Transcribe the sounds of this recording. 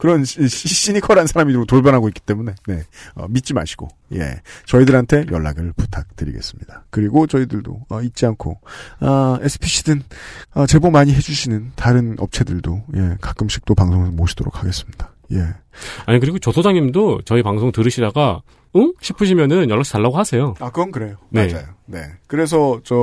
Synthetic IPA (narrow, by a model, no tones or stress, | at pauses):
kɯɾʌniɕ͈iɲikʰʌɾansʰaɾamidotoɭbjʌnɦaɡoik͈it͈e̞mune̞ne̞ʌ̰mit̚t͡ɕ͈ima̰ɕʰi̥ɡ̥o̰ | je̞̰t͡ɕʌidɯɾɦantʰe̞jʌɭːa̰ɡɯɭputʰak̚tɯɾḭɡe̞̰s͈ɯmɲid̥akɯɾiɡot͡ɕʌidɯɭdo̰ʌit̚t͡ɕ͈iankʰoʌesʰɯ̥pʰiɕʰidɯnʌt͡ɕe̞bomaɲiɦe̞d͡ʑuɕʰinɯntaɾɯnʔʌp̚t͡ɕʰe̞dɯɭdoje̞kak͈ɯmɕʰi̥k̚t͈opaŋsʰoŋɯnmoɕʰi̥d̥oɾok̚ʰaɡe̞s͈ɯ̥mɲid̥a | je̞aɲikɯɾiɡot͡ɕʌtʰod͡ʑaŋɲimdot͡ɕʌipaŋsʰoŋtɯɾɯɕʰidaɡa | ɯŋɕʰipʰɯɕʰimjʌnɯnjʌɭːaɕʰi̥taɭːaɡohasʰe̞joakɯɾʌnkɯɾe̞jone̞d͡ʑajone̞kɯɾe̞s̬ʰʌt͡ɕʌ